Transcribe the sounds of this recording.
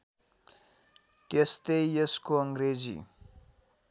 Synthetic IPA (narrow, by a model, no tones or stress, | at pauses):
t̪est̪ejjʌskoʌŋɡred͡zḭ